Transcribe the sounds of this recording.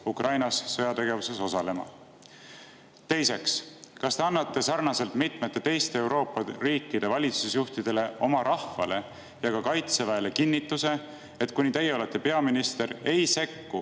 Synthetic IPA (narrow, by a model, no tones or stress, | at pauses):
ukrɑjnɑsːɤjɑt̪e̞ɡe̞vuse̞so̞sɑle̞mɑ̰ | t̪e̞jse̞kskɑst̪e̞ɑnːɑt̪ːe̞sɑrnɑse̞lt̪mit̪ˑmet̪ːe̞t̪e̞jst̪eːwɾo̞ːpːɑriːkːid̪̥e̞vɑlʲit̪susjuht̪id̪̥e̞le̞o̞mɑɾʔɑhfɑ̰le̞ | jɑkɑkɑjt̪sevæele̞kinːit̪ːˑuse̞ | et̪kunit̪e̞jːeole̞t̪ːe̞pe̞ɑminist̪e̞ɾe̞jse̞kːu